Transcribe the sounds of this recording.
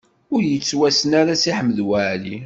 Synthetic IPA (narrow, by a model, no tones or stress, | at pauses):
ʊɾjət͡sːwæsənaɾasiħəmːəðwaʕli